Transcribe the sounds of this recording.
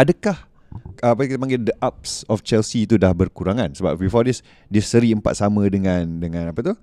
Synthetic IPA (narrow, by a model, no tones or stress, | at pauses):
adəkah | əapakit̪aəpaŋɡɪldəʔap̚sɔft͡ʃɛlsiːt̪udahbərkuɾaŋãnsəba̰p̚bifɔdis | diəsəɾiəmpa̰t̪̚samə̃dəŋãndəŋãnapat̪uh